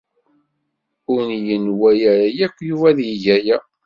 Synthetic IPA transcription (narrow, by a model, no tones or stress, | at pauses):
ʊɾnjənwæjæɾæjækʷːjuvæðjəʝæjæ